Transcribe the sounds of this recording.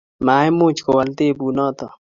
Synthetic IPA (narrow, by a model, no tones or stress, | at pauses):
maːjmõːt͡ʃkowɐlt̪eːbuːnaːt̪o